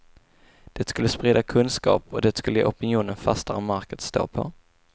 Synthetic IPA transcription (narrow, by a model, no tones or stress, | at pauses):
d̪̥ɛt̪skɵlːəspɾɛːd̪akʰɵnskɑ̰ːpɔd̪ɛt̪skɵlːəʔɔpɪnɪjuːnənfa̰st̪aɾɔmaɾkət̪st̪o̰ːpʰɔ̰